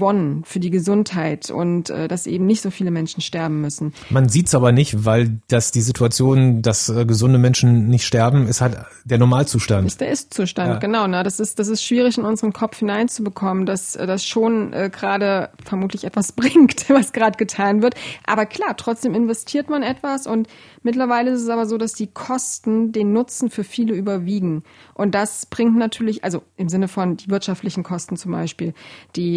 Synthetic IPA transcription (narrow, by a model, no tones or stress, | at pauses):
vɔnənfyːɐdiːɡəzʊnthaɪtʰʊ̰ntʔɛ̰ːdasʔḛːbm̩nɪçtz̥oːfiːləmɛnʃn̩ʃtɛɐbm̩mʏsn̩manziːtsʔaːbɐnɪçtvaɪld̥asd̥iːzitʰuat͡sjoːndasʔɛːɡəzʊndəmɛnʃn̩nɪçtʃtɛɐbm̩ɪsthalt | d̥eːɐnɔɐmaːlt͡suːʃtantsd̥eːɐʔɪstt͡suːʃtantɡ̥ənaʊnədasɪstd̥as̬ɪstʃv̥iːʁ̞ɪçɪnʊnzəʁənkʰɔpp͡fhɪnaɪnt͡subəkʰɔməndasʔɛːdasʃoːnʔɛ̰ːɡʁaːdəfɛɐmuːtlɪçʔɛtv̥asb̥ʁɪŋktvasɡ̥ʁaːdəɡ̥ətʰaːnvɪɐtʔa̰ːbɐkl̥aːɐtʁ̥ɔt͡sd̥eːmɪnvɛstʰiːɐtmanʔɛtv̥asʔʊnt | mɪtlɐvaɪləɪstɛs̬ʔaːbɐzoːdasd̥iːkʰɔstn̩deːnːʊt͡sn̩fyːɐfiːləyːbɐviːɡŋ̩ʔʊntd̥asb̥ʁɪŋtnatʰyːɐlɪçʔa̰lzoʔɪmzɪnəfɔndiːvɪɐtʃaftlɪçn̩kʰɔstn̩t͡sʊmba̰ɪʃpiːld̥iː